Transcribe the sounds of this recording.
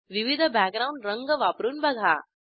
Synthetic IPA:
ʋiʋid̪ʱəbæk̚ɡɾawɳɖɾəŋɡəʋaːpɾuːnbɐɡʱaː

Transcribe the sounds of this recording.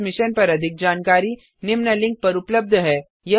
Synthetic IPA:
mɪʃənpɐɾɐd̪ʱɪk̚d͡ʒaːnkaːɾi | nɪmnəlɪ̃ŋk̚pɐɾʊpləb̚d̪ʱɦɛː | jɐ

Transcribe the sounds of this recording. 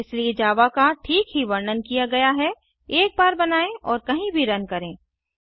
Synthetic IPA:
ɪslied͡ʒaːʋakaʈʰiːkɦiʋɐɾnənkijaɡɐjaɦɛ | eːk̚baːɾbɐnaːẽʔɔːɾkɐɦĩbʱiɾɐnkɐɾẽː

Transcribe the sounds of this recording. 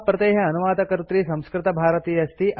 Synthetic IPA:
pɾɐt̪eːɦɐɐnuʋaːd̪ɐkɐɾut̪ɾisɐ̃mskɾɪt̪ɐbʱaːɾɐt̪iːjɐst̪iʔ

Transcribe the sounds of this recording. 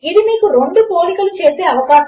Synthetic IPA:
id̪imiːkuɾeɳɖupoːlikɐlut͡ʃeːseːɐʋɐkaːʃ

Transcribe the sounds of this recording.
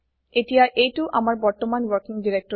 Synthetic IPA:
etijaʔejtuʔamaɹbɔɹt̪omanwɔɹkiŋdiɾek̚tɔ

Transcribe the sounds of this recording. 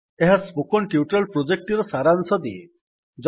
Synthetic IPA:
eɦaspukɔnʈiuʈalpɾod͡ʒek̚ʈiɾɔsaɾansɔd̪ḭe | d͡ʒ

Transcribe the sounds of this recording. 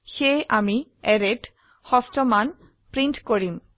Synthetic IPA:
xejʔamiɛɹet | xɔstɔman | pɹintkoɹim

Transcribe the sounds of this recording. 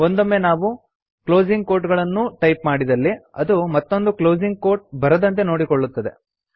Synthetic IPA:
ond̪omːenaːʋu | klo̞ːd͡ʒiŋɡ̚koːɾʈɡɐɭɐnːuʈɐjpmaːɽid̪ɐlːiɐd̪umɐt̪ːo̞nd̪ukloːd͡ʒiŋɡ̚ko̞ːɾʈ̚bɐɾɐd̪ɐnt̪̬e̞no̞ːɽikoɭːut̪ːɐd̪e̞̰

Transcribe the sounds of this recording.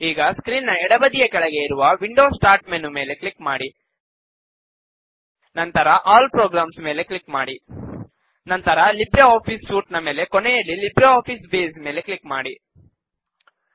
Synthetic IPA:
iːɡɐskɾiːnːɐɛɽɐbɐd̪ijɐkɛɭɐɡe̞iɾuʋɐʋiɳɖo̞ːsʈaːɾʈmenume̞ːle̞kɭikmaːɽi | nɐnt̪ɐɾɐʔaːlpɾoːɡɾaːmsme̞ːle̞kɭikmaːɽi | nɐnt̪ɐɾɐlibɾɐaːpʰisʃuːʈnɐme̞ːle̞kɔnejɐlːilibɾɐaːpʰiːsbeːsme̞ːle̞kɭikmaːɽi

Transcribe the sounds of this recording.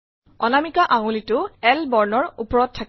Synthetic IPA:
ɔnamikaʔaŋulitʊɛlbɔɹnɔɹupɔɹɔtʰːak

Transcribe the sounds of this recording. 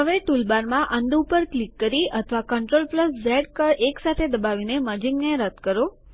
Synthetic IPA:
ɦəʋeʈulbaɾmãʔənd̪upəɾklikːəɾiət̪ʰʋakəɳʈɾolpləszɛɖkəɾeksat̪ʰed̪əbaʋineməd͡ʒiŋɡneɾəd̪kəɾo

